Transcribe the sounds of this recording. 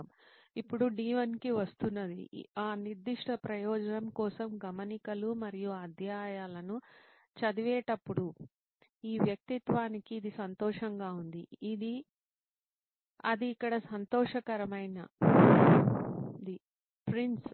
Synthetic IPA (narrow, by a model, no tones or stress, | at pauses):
m | ipːuɽuɖiːʋɐnkiʋɐst̪unːɐd̪ḭaːniɾd̪ːiʂʈʰɐpɾɐjɔːd͡ʒɐnɐmkɔːsɐmɡɐmɐnikɐlumɐɾijuɐd̪ʱjaːjaːlɐnu | t͡ʃɐd̪iʋɛːʈɐpːuɽu | iːʋjɐk̚t̪it̪ʋaːnikiːd̪isɐnt̪ɔːʂɐŋɡaːund̪ḭid̪i | ɐ̰d̪iːkːɐɽɐsɐnt̪ɔːʂɐkɐɾɐmɐjnɐ | d̪i | pɾins